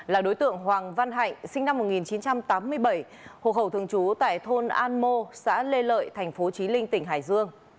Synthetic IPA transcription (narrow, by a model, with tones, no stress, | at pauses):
laː˨˩ɗo˨˦jt̪ɨ̰˧˨əŋɦwaː˨˩ŋva˧nɦa̰˧˨jŋ̟sï˧ŋ̟na˧mːo˨˩t̚ŋi˨˩nt͡ɕi˨˦nt͡ɕa˧mt̪aː˨˦mːɨ˧əjɓə˧˩j | ho̰˧˨xə˧˩wt̪ʰɨ˨˩əŋt͡ɕu˨˦t̪a̰ː˧˨jt̪ʰo˧nʔaː˧nmo˧sa̰ː˧˥le˧lə̰ː˧˨jt̪ʰa˨˩ŋ̟fo˨˦t͡ɕi˨˦lï˧ŋ̟t̪ï˧˩ŋ̟ɦaː˧˩jzɨ˧əŋ